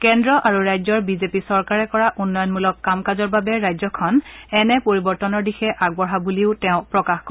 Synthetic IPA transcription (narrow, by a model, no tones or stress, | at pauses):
kɛndɹɔʔaɹuɹajzɔɹbizepisɔɹkaɹɛkɔɹaʔunːɔjɔnmulɔkːamkazɔɹbabɛɹajzɔkʰɔnɛnɛpoɹibɔɹtɔnɔɹdixɛʔaɡ̚bɔɦabuliʊtɛʊ̃pɹɔkaxk